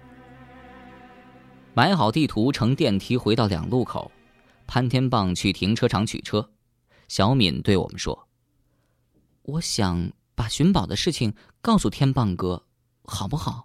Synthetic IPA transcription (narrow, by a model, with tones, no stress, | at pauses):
ma˧˥ɪxɑ˨˩ʊt̪i˥˩t̪ʰu˧˥ʈ͡ʂʰɤ˧˥ŋt̪jɛ˥˩nt̪ʰi˧˥xwe˧˥ɪɑ˥˩ʊljɑ̰˨˩ŋlu˥˩kʰo̰˨˩˦ʊ | pʰa˥nt̪ʰjɛ˥npɑ˥˩ŋt͡ɕʰy˥˩t̪ʰi˧˥ŋʈ͡ʂʰɤ˥ʈ͡ʂʰɑ˧˥ŋt͡ɕʰy̰˨˩ʈ͡ʂʰɤ˥ | ɕjɑ˧˥ʊmḭ˨˩nt̪we˥˩ɪwɔ̰˨˩mə̰˦nʂwɔ̰˥ | wɔ˧˥ɕjɑ˨˩˦ŋ | pa˨˩ɕy˧˥npɑ˨˩ʊd̪ə˦ʂɻ̩˥˩t͡ɕʰi˨˩ŋ | kɑ˥˩ʊsu˥˩t̪ʰjɛ˥npɑ˥˩ŋkɤ˥ | xɑ˨˩ʊpu˥˩xɑ˨˩˦ʊ